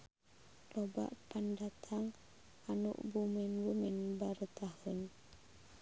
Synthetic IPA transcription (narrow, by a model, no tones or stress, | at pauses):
loba̰ʔpandat̪ʰaŋ | anṵʔbuminɾumɪnbaɾut̪ahʊn